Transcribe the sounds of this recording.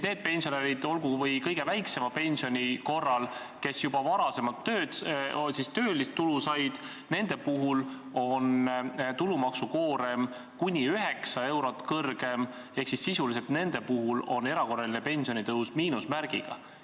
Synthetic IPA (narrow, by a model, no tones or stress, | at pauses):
ne̞ːd̪̚pe̞nʲsioneɾid̪̥o̞lɡuvɤjkɤjɡe̞væjkse̞mɑpe̞nʲsio̞nʲiko̞rːɑl | ke̞sjubɑvɑɾɑse̞mɑlt̪ːø̞ːd̪̥sist̪øːlist̪t̪ːulusɑjd̪̥ | ne̞nd̪̥e̞puɦul | o̞nt̪ulumɑksuko̞ːɾe̞m | kunʲiyɦeksɑe̞wɾo̞t̪ːˑkɤrɡ̥e̞m | e̞hksisːisuliset̪ne̞nd̪e̞puɦulo̞nːe̞ɾɑko̞rːɑlinepe̞nʲsio̞nʲit̪ɤusmiːnusmæɾɡ̥ḭɡ̥ɑ̰